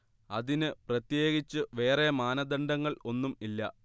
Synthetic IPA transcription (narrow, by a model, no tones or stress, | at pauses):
ɐðinɨprɐt̪je̞ːɡit͡ɕːɨʋe̞ːremaːnɐd̪ɐɳɖɐŋːɐɭo̞nːumilːɐ̰